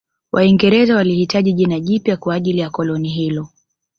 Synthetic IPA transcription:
wʔaiŋɡɛɾɛzawalihitaʄiʄinaʄipjakwaːʄilijakɔlɔniɦilɔ

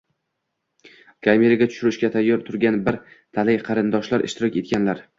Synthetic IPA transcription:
kʰaɾmʲeɾaɡʲat̪ʰʊ̥ʃʊɾɪʃkʲat̪ʰajːɒɾt̪ʰʊɾɡʲanbɪɾt̪ʰalajqʰɑɾɪnd̪ɒʃlaɾʔɪ̰ʃt̪ʰɪɾɒkʲe̞t̪̚ɡʲanlaɾ

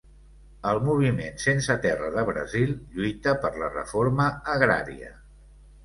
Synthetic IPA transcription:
əlˠmuβ̞imensensət̪ɛrəðəβɾə̰zilʎujt̪əpərlərə̰foɾməəɣɾa̰ɾiə̰

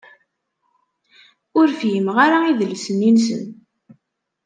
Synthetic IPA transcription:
ʊɾfjəmʁaɾaiðəlsənːinsə̰n

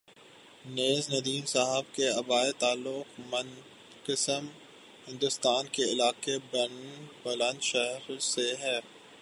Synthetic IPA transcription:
neːznɐd̪iːmsaɦəbkeɐbaːet̪aːlːʊxmɐ̃n | qɪsəm | hɪ̃nd̪ʊst̪aːnkeɪlaːqebɐnbɐlə̃nʃɛɦɾseɦɛː

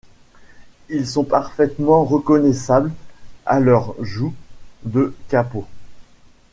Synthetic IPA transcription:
ilsɔ̃paʁfɛt̪mɑ̃ʁəkɔnɛsabla̰lœʁʒud̪əkapo

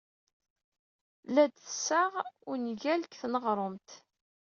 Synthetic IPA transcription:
læd̪θəsaʁʊɾnʝælkθnəʁɾˤəmt̪

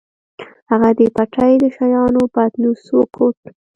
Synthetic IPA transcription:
haɣad̪epaʈajd̪əʃajɑnopat̪nusokʰoʈ

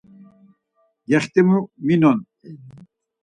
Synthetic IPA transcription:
jɛχt̪imuminɔn

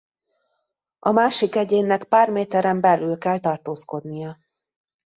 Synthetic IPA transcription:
ɒmaːʃikɛɟeːnːɛkpaːrmeːt̪ɛɾɛmbɛlylkɛlt̪ɒrt̪oːsko̞d̪nijɒ

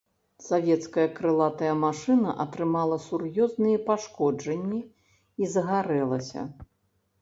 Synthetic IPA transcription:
savʲɛt̪skɐjɐkɾɨlˠat̪ɐjɐmaʂɨnɐ̰ʔɐt̪ɾɨmalˠɐsurjɔznɨjɛpaʂkɔd͡ʐɐnʲːi | izɐɣaɾɛlˠɐsʲɐ̰

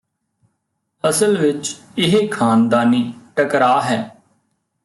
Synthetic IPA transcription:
əsəlʋɪt͡ʃ | ɪɦeːkʰaːnd̪aːniːʈəkɾaːɦɛː

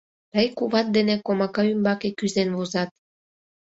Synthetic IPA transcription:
t̪əjkuβɑt̪̚d̪enekomɑkɑymbɑkekyzenβozɑt̪̚

